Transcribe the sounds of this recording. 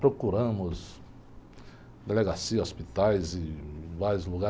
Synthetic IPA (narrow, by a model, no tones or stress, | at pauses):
pɾokuɾɐ̃mʊz | d̪eleɡasiɐospit̪ajzɪvaɾjʊzluɡa